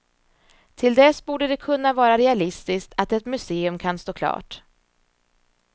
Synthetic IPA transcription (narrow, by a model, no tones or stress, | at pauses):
t̪ʰɪld̪ɛsbuːɖəd̪ɛkʰɵnːavɑːɾaɾɛalɪst̪ɪskt̪ʰat̪ɛt̪mɵseːɵmkʰanst̪oːkʰlɑ̰ːʈ